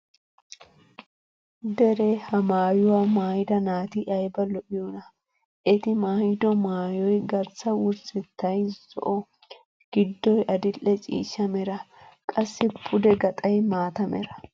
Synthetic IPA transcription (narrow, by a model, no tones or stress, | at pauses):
d̪ɛɾehɐmaːjʊwamaːhɪd̪ɐnaːt̪ɪʔɐjbɐlɔʔɪjɔnɐ | ʔɛt̪ɪmaːhɪd̪ɔmaːjɔjɡɐɾsɐwʊɾsɛt̪ːɐjzɔ̰ʔɔ | ɡ̥ɪd̪ːɔjʔɐd̪ɪlːɛt͡ʃʼḭːʃːɐmɛɾɐ | kʼɐsːɪpʰʊd̪ɛɡɐt̪ʼɐjmaːt̪ɐmɛ̰ɾɐ̥